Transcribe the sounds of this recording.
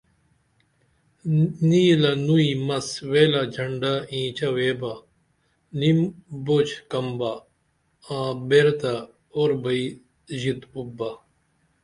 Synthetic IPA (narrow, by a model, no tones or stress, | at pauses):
niːlanuimɐsweːlad͡ʑʱɐɳɖaĩːt͡ɕɐweːba | nimboːt͡ɕʰkɐmba | ãːbeɾt̪a | oːɾbɐi | ʑit̪ubːa